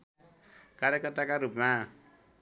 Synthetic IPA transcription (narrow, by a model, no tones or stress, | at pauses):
kaɾjekʌt̪akaɾupma